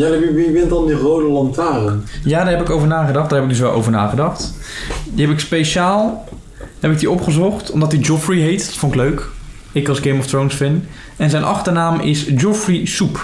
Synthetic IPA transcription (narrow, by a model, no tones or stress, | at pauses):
jaiʋiʋɪntdɑndirowdəlɑntaːɾənjaːdaɹɦɛpɪkowvəɹnaːχədɑχd̥aːɹɦɛpɪɡdɵs̬ʋɛlˠʔo̰wvəɹna̰ːχədɑχt | diɦɛpɪkspejʃaːlˠ | hɛpɪk̚diɔpχəzɔχtɔmdɑtdid͡ʒɔfriɦejtdɔ̥tfʊnɪkløɥk | ɪkɑlˠsɡejmɔftrownsfɪn | ɛnzɛjnʔɑ̰χtənaːmɪsd͡ʒɔfrisup